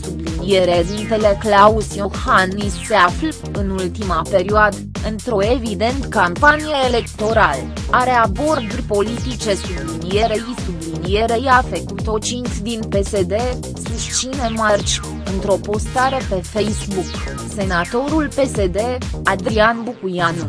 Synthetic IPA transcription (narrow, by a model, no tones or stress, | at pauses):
sublinie̞ɾedint̪e̞le̞klausiohanisːe̞afl | ɨnult̪imape̞ɾioad̪əɨnt̪ɾo̞e̞vid̪e̞nt̪kampanijaele̞kt̪o̞ɾal | aɾe̞abo̞rd̪upo̞lit̪it͡ʃe̞sublinije̞ɾeisublinijeɾe̞jafek̚t̪ut̪o̞t͡ʃint̪d̪inpe̞se̞d̪e̞ | sust̪t͡ʃine̞mart͡ʃʲ | ɨnt̪ɾo̞po̞st̪aɾe̞pe̞fe̞jsbuk | se̞nat̪o̞ɾulpe̞sed̪e̞ad̪ɾianbukujanu